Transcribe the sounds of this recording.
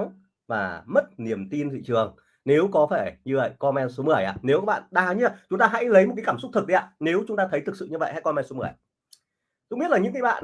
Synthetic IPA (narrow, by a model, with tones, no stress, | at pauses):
vaː˨˩mə˦˥t̚ni˨˩əmt̪i˧nt̪ʰḭ˧˨t͡ɕɨ˨˩əŋ | ne˨˦wkɔ˨˦faː˧˩ɲɨ˧və̰˧˨jkɔ˧mɛ˧nso˨˦mɨ˨˩əjʔa̰ː˧˩ne˨˦wkaː˨˦˥ɓa̰ː˧˨ɗaː˧˩ɲɨ˧a˧˩t͡ɕʊ˨˦ŋ͡mt̪aː˧ɦa̰˧˥jlə˨˦jo˨˩t̚ka˨˦kaː˧˩msʊ˦˥k͡p̚t̪ʰɨ˨˩k̚ɗi˨˦ʔa̰ː˧˩ne˨˦wt͡ɕʊ˨˦ŋ͡mt̪aː˧t̪ʰə˨˦jt̪ʰɨ˨˩k̚sɨ̰˧˨ɲɨ˧və̰˧˨jha̰˧˥jkɔ˧mɛ˧nso˨˦mɨ˧˩əj | kʊ̰˧˥ŋ͡mɓi˦˥ətlaː˨˩ɲɨ̰˧˥ŋkaː˨˦jɓa̰ː˧˨n